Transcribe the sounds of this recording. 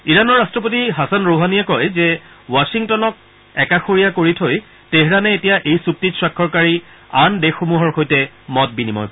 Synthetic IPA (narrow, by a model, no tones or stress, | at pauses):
iɹanɔɹːastɹɔpotiɦasanɹoɦanijakɔjzɛ | wasiŋtɔnɔk̚ | ɛkaxoɹijakoɹitʰoj | teɦɹanɛetijaʔejsuk̚titswakʰːɔɹkaɹi | andexomuɦɔɹxojtɛ | mɔt̚binimɔ̰j